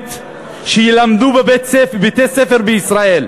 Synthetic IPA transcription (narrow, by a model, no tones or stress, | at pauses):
t̪ | ʃejilamd̪ubebet̪bet̪esefeʁbeisʁael